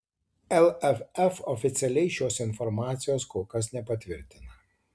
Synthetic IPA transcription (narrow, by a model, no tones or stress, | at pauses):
ɛlˠɛfɛfɔfʲɪt̪sʲɛlʲɛɪʃʲoːsɪnfɔɾmɑːt̪sʲɪjoːskoːkɐs̬nʲɛpɐt̪ʲʋʲɪɾʲt̪ʲɪnɐ